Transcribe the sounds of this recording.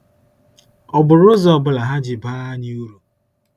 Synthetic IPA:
ɔ˨bʊ˨ɾʊ˦zɔ˨bʊ˨la˨ɦa˦d͡ʒɪ˨baː˦ɲi˦u˦ɾu˨

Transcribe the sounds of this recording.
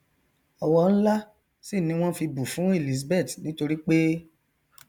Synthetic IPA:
ɔ˧wɔ˧n̩˦la˦ | si˦˨nĩ˦w̃ɔ̃˦fi˧bu˨fũ˨˦e˦˨li˨s̬be˦˨tnĩ˨˦to˧ɾi˦k͡pe˦

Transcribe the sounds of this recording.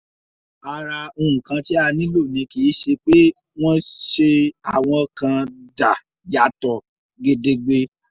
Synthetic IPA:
a˧ɾa˧o˧ũ˨kã˧ti˦a˧nĩ˦lo˦˨nĩ˧ki˨˦ʃe˧k͡pe˦ | w̃ɔ̃˦ʃe˧a˨w̃ɔ̃˧kã˧da˨ | ja˨tɔ˨ | ɡe˧de˧ɡ͡be˧

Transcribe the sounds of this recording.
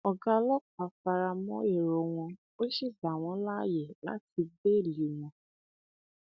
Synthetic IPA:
ɔ˨ɡa˧lɔ˦k͡pa˨˦fa˧ɾa˧mɔ̃˦e˦˨ɾo˨w̃ɔ̃˧ | o˦ʃi˦˨za˨w̃ɔ̃˨˦la˦˨je˨la̰˨˦ti˧be˦˨li˨w̃ɔ̃˨

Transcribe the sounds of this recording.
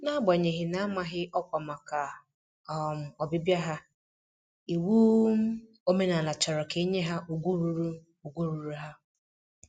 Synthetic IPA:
na˦ɡ͡ba˨ɲe˨ɦɪ˨na˦ma˨ɦɪ˦ʔɔ˦kʷa˨ma˨ka˨ | m̩˨ɔ˨bɪ˦bja˦ɦa˦ | i˨wu˦ | o˦me˦na˨la˨t͡ʃɔ˨ɾɔ˨ke˦ɲe˦ɦa˦ʔu˨ɡʷu˦ɾu˦ɾu˦ | u˨ɡʷu˦ɾu˨ɾu˦ɦa˦

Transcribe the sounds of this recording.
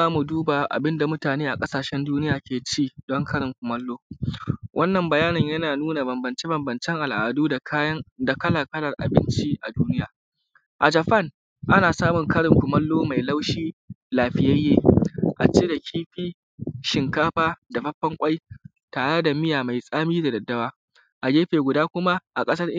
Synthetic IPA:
aː˦mu˨duː˦ba˨ʔa̰˨bɪ˦nda˨mʊ˦taː˨neː˦ʔa˨kʼɐ˦saː˨ʃɛ˦nduː˦nɪ˦jaː˨kʲeː˨t͡ʃiː˦dɔ˦ŋkʰɐ˦ɽɪ˨ŋkʷʊ˨mɐ˦lːoː˦wʔɐ˦nːɐ˨mbɐ˨jaː˦nɪ˨ɲjɐ˦naː˨nuː˦na˨bɐ˨mbɐ˨nt͡ʃi˦bɐ˨mbɐ˨nt͡ʃɛ˦ŋʔa˨lʔa̰ː˨duː˦˨˦da˨kɐ˦la˨kɐ˦lɐ˨rʔa̰˨bɪ̰˦nt͡ʃi˦ʔa̰˨duː˦nɪ˦jaː˨ | ʔa˨d͡ʒɐ˨ɸɐ˦˨n | ʔa˦naː˨saː˦mʊ˨ŋkɐ˦ɽɪ˨ŋkʷʊ˨mɐ˦lːoː˦ma˨jla˦wʃiː˦laː˨ɸɪ˨ja˦jːeː˦ʔa˨t͡ʃeː˦da˨kʲʰiː˦ɸiː˦ | ʃɪ˨ŋkaː˦ɸaː˦da˨ɸɐ˦ɸːɐ˦ŋkʷʼa˦j | taː˨ɽe˦da˨mɪ˦jaː˨ma˨jsʼaː˦miː˦da˨dɐ˨dːɐ˦waː˦ | ʔa˨d͡ʒeː˦ɸeː˨ɡʷʊ˨daː˦kʷʊ˦ma˦ʔa˨kʼɐ˦sɐ˦rʔ

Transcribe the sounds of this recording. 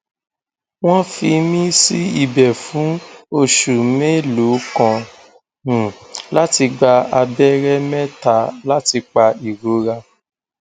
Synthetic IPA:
w̃ɔ̃˦fi˧mĩ˦si˦i˨bɛ˨fũ˨˦o˦ʃu˨me˦lo˨˦kã˨ | nũ˨la˦ti˧ɡ͡ba˧a˧bɛ˦ɾɛ˦mɛ̃˦ta˨la˦ti˧k͡pa˧i˨ɾo˨˦ɾa˧

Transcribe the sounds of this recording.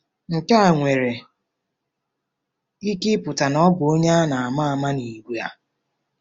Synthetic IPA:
ŋ̩˨ka˦a˨ŋʷe˨ɾe˨ | i˦kɪ˦pʊ˨ta˨nɔ˦ɡo˦ɲa˦a˦na˨a˨ma˦a˨ma˦ni˨ɡʷu˨a̰˦

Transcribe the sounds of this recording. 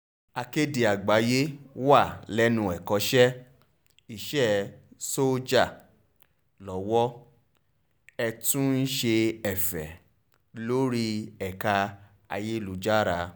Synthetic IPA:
a˧ke˦di˨a˨ɡ͡ba˨˦je˦wa˦˨lɛ˦nũ˧ɛ˨kɔ˨˦ʃɛ˦ | i˦˨ʃɛ˦˨so˦d͡ʒa˦˨ | lɔ˨˦wɔ˦ | ɛ˧tũ˦n̩˦ʃe˧ɛ˨fɛ̰˨ | lo˦ɾi˦ɛ˨ka˧ | a˧je˦lu˨˦d͡ʒa˦ɾa˧˦

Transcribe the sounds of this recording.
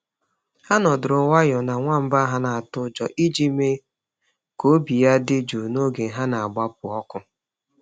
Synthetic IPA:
ha˦nɔ˨dʊ˨ɾʊ˨wa˦jʊ˨na˨ŋʷa˦m̩˦ba˦ɦa˦na˨a˨tʊ˦d͡ʒɔ˨ʔi˦d͡ʒi˦me˦ | ko˦bi˨ja˦dɪ˦d͡ʒu˨no˦ɡe˨ɦa˦na˨a˨ɡ͡ba˦p̚ʊ˨ɔ˦kʊ˦

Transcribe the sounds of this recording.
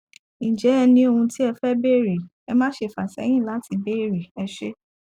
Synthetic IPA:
ĩ˨d͡ʒɛ˨˦ɛ˧nĩ˧o˧hũ˧ti˦ɛ˧fɛ˦be˦˨ɾe˨ | ɛ˧mãː˦ʃe˧˨fa˨sɛ̰˨˦j̃ĩ˦˨la˨˦ti˧be˦˨ɾe˨ɛ˧ʃe˦

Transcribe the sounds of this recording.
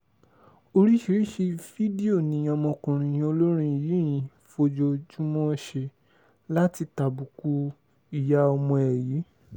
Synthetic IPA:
o˧ɾi˦ʃi˧ɾi˦ʃe˧fi˦di˦o˦˨nĩ˨˦ɔ˧mɔ̃˧kũ˨ɾ̃ĩ˧j̃ĩ˧o˧lo˦ɾ̃ĩ˦˨ji˨˦j̃ĩ˨˦ | fo˧d͡ʒo˧d͡ʒu˦mɔ̃˦ʃe˧ | la˦ti˧ta˨bu˨ku˧ | i˨ja˧ɔ˧mɔ̃˧ɛ˨ji˨˦

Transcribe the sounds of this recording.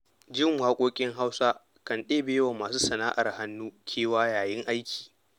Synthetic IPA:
d͡ʒɪ˦˨ŋwaː˦kʷʼoː˦kʲʼɪ˦ŋɦa˦wsa˦ | kɐ˨nɗeː˦beː˦wa˨maː˨suː˦sɐ˨naː˦ʔa˨rha˦nːuː˦kʲʰeː˦waː˦jaː˨jɪ˦ŋʔa˦jkʲi̥ː˨

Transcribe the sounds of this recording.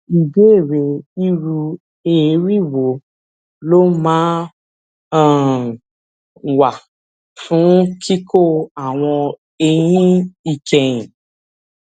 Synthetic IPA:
i˨be˦e˦˨ɾe˧i˦ɾu˧ | e˦˨˦ɾi˦˨wo˨ | lo˦mãː˦˨ | wa˨ | fũ˨˦kʰi˦kʰo˦a˨w̃ɔ̃˧ | e˧j̃ĩ˦i˦˧kɛ˧j̃ĩ˨

